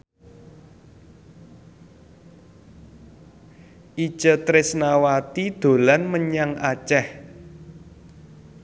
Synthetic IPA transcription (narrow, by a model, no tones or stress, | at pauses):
ʔi̥t͡ʃə̤t̪ɾɪsnawat̪id̪̥o̤lanməɲaŋa̰t͡ʃɛh